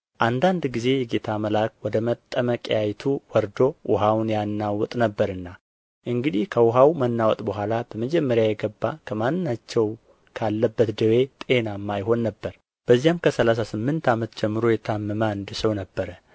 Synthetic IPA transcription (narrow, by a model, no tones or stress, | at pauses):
ʔand̪and̪ɡize̞jɛɡe̞t̪ʰaməlakwɔd̪əmət̪ʼːəməkʼjajt̪ʰuwɔɾd̪o̞ʔʊ̰ɦawnjanːawɔt̪ʼnəbːəɾɨnːa | ʔɨŋɡɨd̪ihkʰəwʊɦawmənːawɔt̪ʼbəɦʷalab̥əməd͡ʒɛmːəɾjajɛɡəbːakʰəmanːɨnːat͡ʃːɛw | kʰalːəbːət̪d̪əwe̞t̪ʼe̞namːajɦo̞nːəbːəɾ | b̥əzːijamkʰəsəlas̬asɨmːɨnt̪ʰamət̪d͡ʒɛmːɨɾojɛt̪ʰamːəməand̪ɨsəwnəbːəɾə